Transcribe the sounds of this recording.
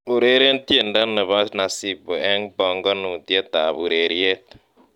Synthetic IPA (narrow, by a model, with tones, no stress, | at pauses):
u˨ɾe˦ɾe˦ntje˨nda˦ne˨βa˦na˨si˦bo˨ɛ˦ŋbɔ˨ŋɡɔ˦nu˨ntje˦t̪a˨βu˨ɾe˨ɾje˦t